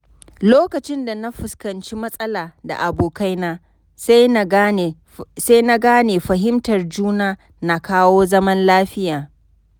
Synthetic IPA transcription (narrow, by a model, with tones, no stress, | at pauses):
loː˦kɐ˨t͡ʃɪ˦nda˨na˦ɸʊ˨skɐ˨nt͡ʃi˦mɐ˦sʼɐ˦laː˨da̰˨ʔa˨boː˨ka˦jnaː˦ | sa˦jna˦ɡaː˦neː˨ɸɐ˨ɦɪ˦mtɐ˨rd͡ʒuː˦naː˦ | na˨kaː˦woː˦zɐ˦mɐ˦nlaː˦ɸɪ˦jaː˨